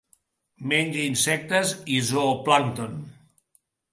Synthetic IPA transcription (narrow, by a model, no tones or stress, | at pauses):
meɲʲd͡ʒəinsɛk̚t̪əzizoplant̪on